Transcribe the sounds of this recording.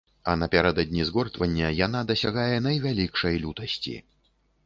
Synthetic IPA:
ɐnɐpʲaɾɛd̪ɐd̪ʲnʲizɣɔrt̪vɐnʲːɐjan̪ad̪ɐsʲaɣajɛnɐjvʲalʲikʂɐjlʲut̪ɐsʲt͡sʲḭ

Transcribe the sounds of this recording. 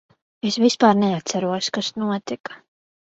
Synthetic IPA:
esvispaːɾnɛat̪saɾuɔskasnuɔt̪ikḁ

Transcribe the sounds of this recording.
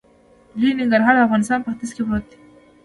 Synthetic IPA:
linɪŋɡəɾɦɑːɾafɣɑːnɪst̪ɑːnpəxt̪iskebot̪ːi̥

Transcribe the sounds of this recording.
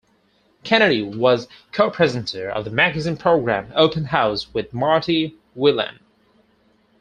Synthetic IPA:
kʰɛñɨɾiwʌz̥ | kʰoʊpʰɹ̥ɛzɨ̃n̩tʰə˞ʌ̰vðəmæɡɨzĩnpʰɹ̥oʊɡɹæ̰̃moʊpɨ̃nɦaʊswɪðmɑɹɾi | wɪlˠɨ̰̃n

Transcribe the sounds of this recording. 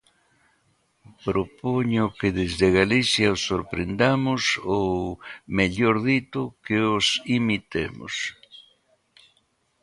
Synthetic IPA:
pɾopoɲokeðezðeɣaliθjaosːoɾpɾend̪amʊsowmeʎoɾðit̪ʊkeosimit̪ḛmʊ̰s

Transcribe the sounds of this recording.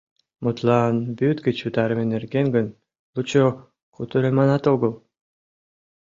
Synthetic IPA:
mut̪lˠɑnbyt̪ɡʲĕt͡ɕut̪ɑɾə̆menerɡeŋɡə̆n | lˠut͡ɕo | kut̪øɾemɑnɑt̪oɣɤ̆lˠ

